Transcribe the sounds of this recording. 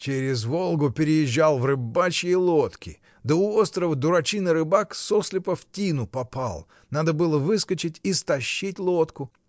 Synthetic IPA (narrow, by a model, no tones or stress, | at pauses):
t͡ɕeɾʲɪzvolˠɡʊpʲɪɾʲɪjɪʑːalˠvrɨbat͡ɕəlˠot̪kʲɪ̰ | d̪əʊo̞st̪ɾəvəd̪ʊɾɐt͡ɕinəɾɨbaksoslʲɪpəftʲinʊpɐpa̰lˠ | nad̪əbɨlˠəvɨskət͡ɕɪtʲist̪ɐɕːitʲlˠot̪kʊ